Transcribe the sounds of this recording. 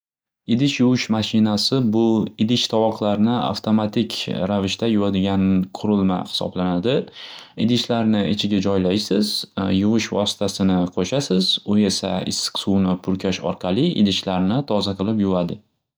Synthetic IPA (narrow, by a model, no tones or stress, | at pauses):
ɪd̪ɪʃjʊwɪʃmaʃɪnasɪbʊɪd̪ɪʃt̪ʰɒwɒqʰlˠaɾnɪa̰ft̪ʰomat̪ʰɪkʲɾavɪʃt̪ʰajʊvad̪ɪɡʲanqʰʊɾɪlˠma̰hɪ̥sɒ̰blanad̪ɪɪd̪ɪʃlaɾnɪɪt͡ʃʰɪɡʲad͡ʒɒjlajsɪz̥jʊwɪʃvɒ̰sɪ̥t̪ʰasɪnɪqʰoʃasɪzʊe̞sa̰ɪ̰sːɪ̥kʲsuwnɪpʰʊɾkʲʰaʃɒ̰ɾqʰɑlˠɪɪ̰d̪ɪʃlaɾnɪt̪ʰɒzaqʰɨlˠɪpjʊvad̪ɪ